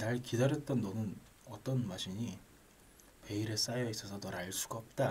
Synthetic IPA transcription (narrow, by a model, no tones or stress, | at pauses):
naɭkidaɾjʌt̚t͈ʌnːʌnɯn | ʌt͈ʌnwaɕʰiɲi | pe̞iɾe̞s͈ajʌis͈ʌsʰʌnʌɾaɭs͈uɡaʌp̚t͈a